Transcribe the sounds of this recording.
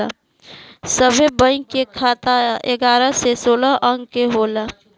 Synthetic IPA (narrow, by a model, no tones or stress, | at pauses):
a | səbʱebə̃ɪ̃kːekʰaːt̪aeɡaːɾasesoːlaʔəŋɡkeɦoːla